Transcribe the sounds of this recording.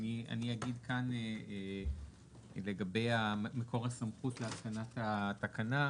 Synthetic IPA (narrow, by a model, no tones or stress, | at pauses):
nia̰niaɡidkanee | le̞ɡabe̞jameko̞ʁasamχutleaskanatatakana